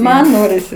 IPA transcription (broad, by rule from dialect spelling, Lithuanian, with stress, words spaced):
ˈmɐn ˈnoːrʲɪsʲɪ